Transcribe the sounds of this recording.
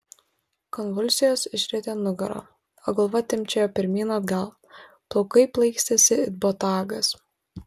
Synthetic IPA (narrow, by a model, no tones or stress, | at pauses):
kɔnʋʊlʲsʲɪjoːsɪʃʲɾʲit̪ʲeːnʊɡɐɾo̰ː | o̰ɡɐlˠʋɐt̪ʲɪmʲt͡ʃʲɛjoːpʲɪɾʲmʲiːnɐd̪ɡɐlˠ | t̪oʊkɐɪplˠɐɪksʲt̪ʲɛsʲɪɪd̪̚bot̪ɑːɡɐs